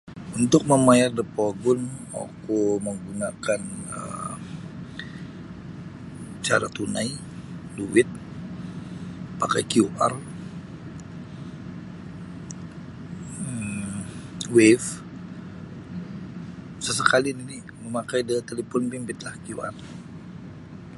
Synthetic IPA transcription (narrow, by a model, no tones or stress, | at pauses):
unt̪ʊk̚məmajardəpoɡʊna̰kuməŋɡunakanə̰ | t͡ʃa̰ɾa̰t̪unaj | duwɪt̪̚ | paka̰jkiuʔa̰r | wef | səsəkalinini | məmakajdət̪elepɔnpimbɪt̪lahkiuʔa̰r